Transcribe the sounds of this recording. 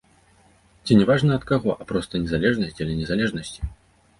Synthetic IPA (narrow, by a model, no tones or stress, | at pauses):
t͡sʲinʲɛvaʐnɐɐt̪kaɣɔʔɐpɾɔst̪ɐnʲɛzalʲɛʐnɐsʲt͡sʲiɐlʲɛnʲɛzalʲɛʐnɐsʲt͡sʲi̥